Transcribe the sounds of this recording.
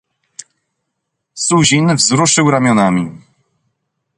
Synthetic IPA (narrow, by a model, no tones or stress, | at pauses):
suʑinvzɾuʂɘwɾamʲjɔnamʲi